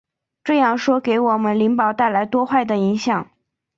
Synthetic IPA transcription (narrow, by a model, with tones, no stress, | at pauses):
ʈ͡ʂɤ˥˧jɑ˥˩ŋʂwɔ˥ke˧˥ɪwɔ˨˩mə˦nli˧˥ŋpɑ˨˩ʊt̪a˥˩ɪla˧˥ɪt̪wɔ˥xwa˥˩ɪd̪ə˩i˧˥ŋɕjɑ˨˩˦ŋ